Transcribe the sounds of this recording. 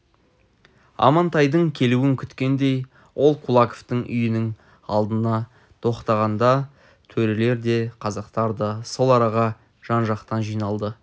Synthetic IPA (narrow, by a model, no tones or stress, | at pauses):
ɑ̰mɑnt̪ɑjd̪əɴkʲʰe̞luɪŋkʲʰʏt̪kʲe̞nd̪e̞j | wʔo̞lˠqʰulˠɑkoft̪əɴʔʏ̰jɪnɪŋ | ɑlˠd̪ənɑ | t̪ʰo̞qt̪ɑʁɑnd̪ɑ | t̪ʰɵɾele̞ɾd̪e̞qʰɑzɑqt̪ɑɾd̪əso̞lˠɑɾɑʁɑ | ʒ̥ɑnʒɑqt̪ɑnʒijnɑlˠd̪ə